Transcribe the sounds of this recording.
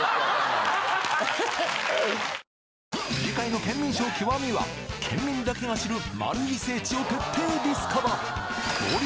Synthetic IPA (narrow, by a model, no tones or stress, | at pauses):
d͡ʑikaino̞kẽ̞mːʲĩɰ̃ɕo̞ːkʲʰiβamʲiβa̰kʰẽ̞̰mːʲĩnd̪ake̞ɡaɕiɾɯ̟ma̰ɾɯ̟ise̞ːt͡ɕio̞t̪e̞t̪ʰːe̞ːd̪ʲisɨ̥kʰaba | oɾ